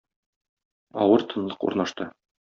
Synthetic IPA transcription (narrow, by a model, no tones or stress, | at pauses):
ɒwɤɾt̪ʰɤ̆nlˠɤqṵɾnɑʃt̪ɤ